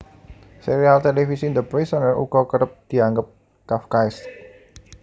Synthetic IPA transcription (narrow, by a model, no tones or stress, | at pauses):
seɾialt̪elefisind̪əpɾesɔŋəʔṵkɔkəɾəp̚d̪̥i̤aŋɡəp̚ | kafkajs